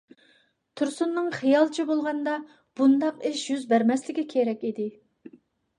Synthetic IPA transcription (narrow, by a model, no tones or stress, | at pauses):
t̪ʰuɾsunːɨŋχijɑlˠt͡ʃʰibolˠʁɑnd̪ɑ | b̥und̪ɑqɪʃjyzbæɾmɛslɪkʲikʲʰeɾɛkʲid̪ɪ